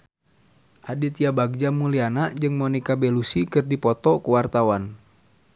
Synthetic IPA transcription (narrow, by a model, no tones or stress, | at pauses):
ʔadit̪iabaɡ̚d͡ʒamulianaʔd͡ʒɨŋmɔnikabelusikɨrdipɔt̪ɔkuwart̪awan